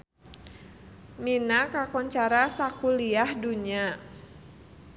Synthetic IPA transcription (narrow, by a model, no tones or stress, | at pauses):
minakakɔɲt͡ʃaɾasakuliahduɲa